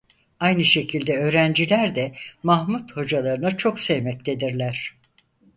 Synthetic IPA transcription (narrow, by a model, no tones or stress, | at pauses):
ajnɯʃe̞cʰilʲd̪ɛø̞ːɾænd͡ʒilʲæɾd̪ɛmahmut̪ho̞d͡ʒalˠaɾɯnat͡ʃʰo̞ksɛjmɛc̚t̪ʰe̞d̪iɾlʲæɾ̝̥